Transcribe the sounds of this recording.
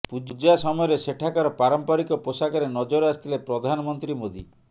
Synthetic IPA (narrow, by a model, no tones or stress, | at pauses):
pud͡ʒud͡ʒasɔmɔjɔɾeseʈʰakaɾɔpaɾɔmpaɾikɔposakɔɾenɔd͡ʒɔɾast̪ʰilepɾɔd̪ʱanɔmɔnt̪ɾimod̪ʱi